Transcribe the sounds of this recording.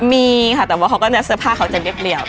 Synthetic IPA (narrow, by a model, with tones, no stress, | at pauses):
miː˧kʰa˥˩t̪ɛː˨˩waː˦˥˩a˧˦wkɔ˥˩na˦˥sɯ˥˩pʰaː˥˩kʰa˧˦wt͡ɕa˨˩li˥˩ə˩p̚li˧˩əw